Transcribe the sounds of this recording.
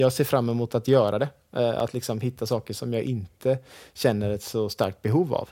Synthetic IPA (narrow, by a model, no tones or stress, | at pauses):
jɑːɡseːfɾamːɛmuːt̪at̪jœːɾʔad̪ɛ | a̰t̪ʰlɪksɔmhɪt̪ʰːasɑːkəʂɔmjɑːɡʔɪnt̪ʰəɕɛnːəɾɛt̪sɔst̪a̰ɾk̚t̪̚bɛɦuːva̰v